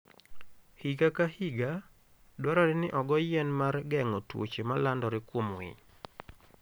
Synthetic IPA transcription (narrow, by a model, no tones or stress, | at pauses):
hiɡakahiɡa | dwaɾɔɾɛnɪʔɔɡɔjɛnmarɡɛŋɔtwo̰t͡ʃemalandɔɾɪkwomwɪ̰ɲ